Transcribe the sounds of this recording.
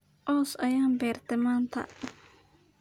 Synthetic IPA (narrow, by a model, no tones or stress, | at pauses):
ʔɔːsɐjaːnbɛːrt̪ʰɛmaːnt̪ʰɐ̰